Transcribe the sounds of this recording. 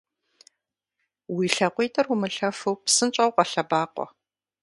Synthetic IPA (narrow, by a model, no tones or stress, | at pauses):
wiːɬɐqʷiːtʰʼɐrwʊmɨɬɐfuwpsɨnt͡ʃʼɐwqɐɬɐbaːqʷɔ̰